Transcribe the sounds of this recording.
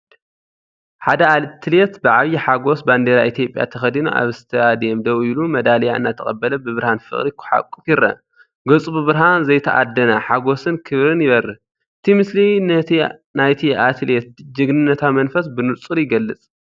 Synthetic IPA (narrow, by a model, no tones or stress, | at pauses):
ħad̪ɐalt̪ʰːɨlet̪bɨʕaβjiħaɡo̞sband̪eɾaʔit̪ʰijo̞pʼja̰t̪ʰɐxɐd̪inuʔa̰βst̪ʰɐad̪jemd̪ɐwilumɐd̪alɐjaɨ̰nːat̪ʰɐ̰χʼɐ̰bːɐlɐbɨβɨɾhanfɨ̰χʼɾikʰʊ̥ħa̰kʼːufjɪɾɐ̰ | ɡɐt͡sʼububɨɾɦanzɐjt̪ʰɐʔa̰d̪ːɐnaħaɡo̞sɨnkʰɨβɾɨnjɪβɐɾɨ | ʔɨt̪ʰimɨslinɐnajt̪ʰiat̪ʰlet̪̚d͡ʒɨɡnɨnːɐt̪ʰamɐnfɐs̬bɨnut͡sʼɨɾjɪɡɐlːɨt͡sʼ